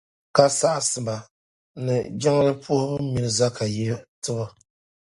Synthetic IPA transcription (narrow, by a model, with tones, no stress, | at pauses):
ka˨sa˦ʔsɨ˨ba˨ | nɨ˨d͡ʒɛ˦ŋ˦lɨ˦pʰu˦hʊ˦mi˨nɨ˦za˦ka˨jɛ˦tɨ˦bɨ˨